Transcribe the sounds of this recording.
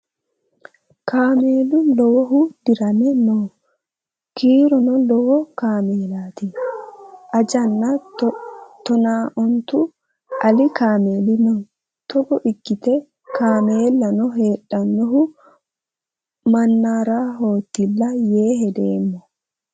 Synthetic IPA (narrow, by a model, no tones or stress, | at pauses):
kʰaːmeːlʊnlɔwɔɦʊd̪̥ɪɾɐnɛnɔ | kʰiːɾɔnɔlɔwɔkaːmeːlaːt̪ɪ | ʔɐd͡ʒɐnːɐtt̪ɔnaːʔɔnt̪ʊ | ʔɐlɪkaːme̞ːlɪnɔ | t̪ɔɡɔʔɪɡːɪt̪ɛ | kaːmeːlːɐnɔɦeːᶑːɐnːɔɦʊ | mɐnːaːɾaːɦo̞ːt̪ːɪlːɐjeːhɛd̪eːmːɔ